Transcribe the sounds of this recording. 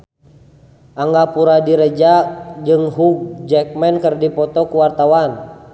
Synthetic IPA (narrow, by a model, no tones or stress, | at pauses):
ʔaŋɡapuɾadiɾəd͡ʒad͡ʒɨŋɦuɡ̚d͡ʒɛk̚mɛnkərdipɔt̪ɔkuwart̪awan